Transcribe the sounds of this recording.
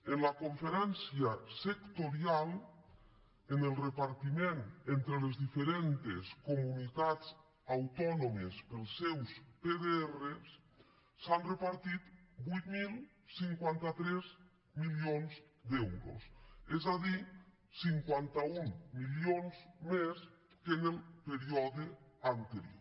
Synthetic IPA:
enlakoɱfeɾɛnsjasekt̪oɾjal | enelˠrepaɾt̪imẽnent̪ɾelezðifeɾent̪eskomunit̪at̪t͡s | awt̪ɔnomespelˠsewspeðeeresː | anrepaɾt̪it̪bujt̪mil | siŋkwant̪at̪ɾez | miljonzd̪ɛwɾo̰sezðaði | siŋkwant̪auŋmiljonzmes | kenelpeɾiɔðeant̪eɾjo̰

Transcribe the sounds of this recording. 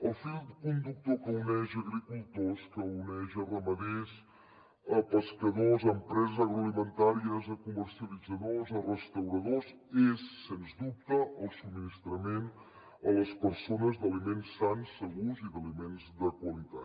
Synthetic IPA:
əlˠfilˠd̪kund̪uk̚t̪okəunɛʒəɣɾikulˠt̪oskəunɛʒərəməðes | əpəskəðozəmpɾɛzəzəɣɾuəlimənt̪aɾiəzəkuməɾsiəlid͡zəðozərəst̪əwɾəðoz | esːenzd̪up̚t̪əʔəlˠsubminist̪ɾəmen | ələspəɾsonəzd̪əlimensːansːəɣuziðəlimenzd̪əkwəlit̪a

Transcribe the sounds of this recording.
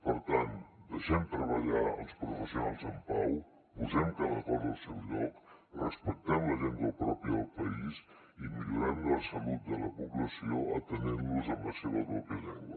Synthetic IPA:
pəɾt̪and̪əʃɛmt̪ɾəβəʎaə̰lˠspɾufəsjunalˠzəmpaw | puzɛmkələɣɔɾəlˠsɛwʎɔk | rəspək̚t̪ɛmləʒend̪əlˠpɾɔpiəlˠpəiz | imiʎuɾanəlˠsəlut̪̚d̪ələpuβləsioə̰t̪əninluzəmləseβəβɾɔpjəʎɛŋɡwə

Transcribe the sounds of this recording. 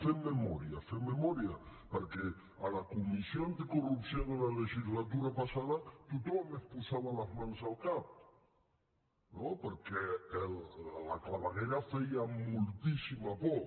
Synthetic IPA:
femːemɔɾiafemːemɔɾjapəɾkɛ | alakumisjoant̪ikurupsjoðelaleʒizlat̪̬uɾapasaðat̪ut̪ɔmespusaβalazmanzalˠkap̚ | nopəɾkɛella̰klaβaɣɛɾafɛjamulˠt̪isimapɔ

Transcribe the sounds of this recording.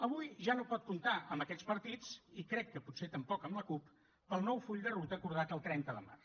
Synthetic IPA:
əβ̞ujʒanopɔt̪̚kunt̪aəmbəkɛspəɾt̪it͡sikɾɛkːəputset̪əmpɔkəmləkup | pəlˠnɔwfuʎd̪ərut̪əːkuɾðat̪əlˠt̪ɾɛnt̪əðə̰ma̰rs

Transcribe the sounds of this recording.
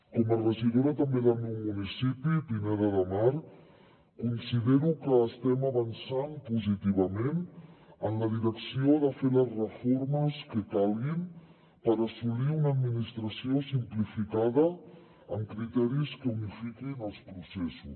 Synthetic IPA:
kɔmərəʒiðoɾət̪əmbeðəlˠmewmunisipipineɾəðəmaɾ | kunsiðeɾukəːst̪ɛməβənsampuzit̪iβ̞əmenənləðiɾəksioðəfeləzrəfoɾməskəkalˠɣim | pəɾəsuliunəːd̪minist̪ɾəsiosimplifikaðə | əmkɾit̪ɛɾiskəunifikinəlˠspɾusɛsus

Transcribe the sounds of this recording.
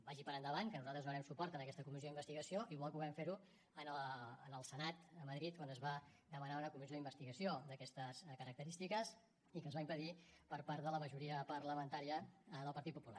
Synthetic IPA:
baʒipəɾənd̪əβaŋkənuzalˠt̪ɾəzunəɾɛmsupɔɾt̪ənəkɛst̪əkumizjoðimbəst̪iɣəsioʔiβɔlˠpuɣɛmfeɾu | ənəːnəlˠsənat̪əməðɾit̪̚kwanəzβad̪əmənaunəkumizjoimbəst̪iɣəsiod̪əkɛst̪əskəɾək̚t̪əɾist̪ikəs | ikəzβaimpəðipəɾpaɾt̪ðələməʒuɾiəpəɾləmənt̪aɾiəðəlˠpəɾt̪it̪̚pupula̰r

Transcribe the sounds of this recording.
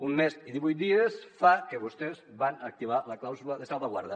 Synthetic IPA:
unmesiðiβujt̪d̪iesfakeβust̪ezβanək̚t̪iβ̞aləklawzuləðəsalˠβaɣwa̰ɾðə

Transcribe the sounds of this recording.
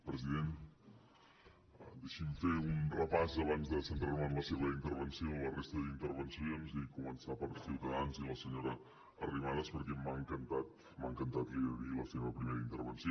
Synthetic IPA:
pɾəziðen | d̪eʃimfeunrəpazəβanzðəsənt̪ɾaruaəmləseβəint̪əɾβənsiolərest̪əðint̪əɾβənsionzikumənsapəɾsiwt̪əðanziləsəɲoɾəː | riβaðəspəɾkɛmːaŋkənt̪at̪ | mːaŋkənt̪at̪liðəðiləseβəpɾimeɾəint̪ə̰ɾβənsio

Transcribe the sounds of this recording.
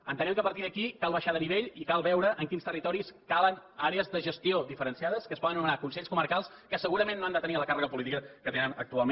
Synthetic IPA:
ənt̪ənɛmkəpəɾt̪iðəkikalˠβəʃaðəniβeʎikalˠβɛwɾəʔəŋkinst̪ərit̪ɔɾiskalˠənaɾeəzðəʒəst̪ioðifəɾənsiaðəskəspɔðənumənakunsɛʎskuməɾkalˠskəsəɣuɾəmẽnːoand̪ət̪əniləkarəɣəpulit̪ikəkət̪enənə̰k̚t̪ualˠme

